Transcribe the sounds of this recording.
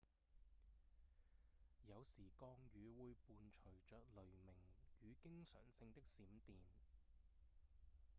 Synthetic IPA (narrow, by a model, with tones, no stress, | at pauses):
jɐ˨˧wsiː˨˩kɔː˧ŋjyː˨˧wuː˨˧jpuː˨˧nt͡ʃʰɵ˨˩ɥt͡ʃœː˨k̚lɵ˨ɥmɪ˨˩ŋjyː˨˧kɪ˥ŋsœ̰ː˨˩ŋsɪ˧ŋt̪ɪ˥k̚siː˨˥mt̪iː˨n